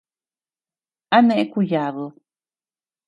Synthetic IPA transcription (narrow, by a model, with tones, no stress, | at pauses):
a˦nẽ˧ʔe˦ku˧ja˨βɨ˨